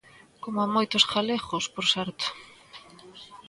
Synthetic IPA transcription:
komamojt̪osxaleɣospoɾsaɾt̪o̥

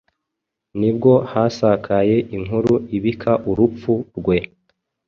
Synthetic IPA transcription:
nibɡo̞hasakʰaje̞ʔiŋɦuɾuiβikʰaʔuɾup͡fuɾɡwe̞

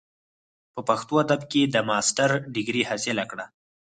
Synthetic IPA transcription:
pəpaxt̪oad̪abked̪əmɑsʈaɾɖɪɡɾihasɪlakɽa

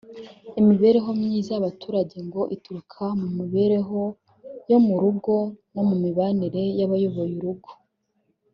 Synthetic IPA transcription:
imiβe̞ɾeɦo̞mɲizaaβatuːɾaɟe̞ŋɡo̞ʔituɾukʰamumiβe̞ɾe̞ɦo̞ | jo̞muɾuɡo̞no̞mumiβaniɾe̞jaβajo̞βo̞juɾuɡo̥

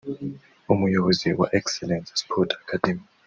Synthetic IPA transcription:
umujoziwa̰ʔɛksɛlɛnsspʰɔtʰʼakʰad̥ɛmi

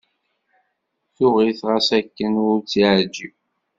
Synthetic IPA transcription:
θʊʁiθʁæsækːənʊɾt͡siʕəɾd͡ʒiw

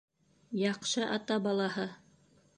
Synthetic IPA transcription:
jɑqʃɤʔɑt̪ɑbɑlˠɑhɤ

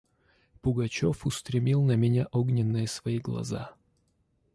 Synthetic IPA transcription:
pʊɡɐt͡ɕofʊst̪ɾʲɪmʲilˠnəmʲɪnʲaʔoɡnʲɪnːɨjəsvɐiɡlˠɐ̰za̰

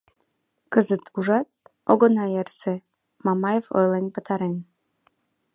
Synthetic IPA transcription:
kəzət̪ʰuʒɑt̪̚oɣonɑjerse | mɑmɑjevo̰jlenʲpə̆t̪ɑɾen

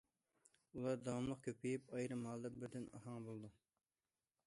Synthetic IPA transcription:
ulˠɑɾd̪ɑwɑmlˠəqkʲʰøpʰijipɑjɾɨmɦɑlˠd̪ɑbɪɾd̪ɪnɑ̰hɑŋbolˠd̪u

